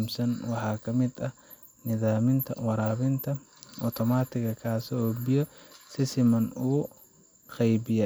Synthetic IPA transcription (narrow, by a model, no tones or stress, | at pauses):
msɐnwɑħɑːkʰɐmɪd̪ɐ | nɪðaːmɪnt̪ʰɐ̰wɑɾaːβɪnt̪ʰɐ | ʔɔt̪ʰɔmaːt̪ʰɪɣɐkʰaːsɪɔːbɪjɔsɪsɪmɐnuː | qɛjbɪjɛ